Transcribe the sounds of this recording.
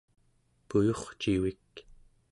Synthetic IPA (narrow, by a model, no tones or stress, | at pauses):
pujoχt͡ʃiwik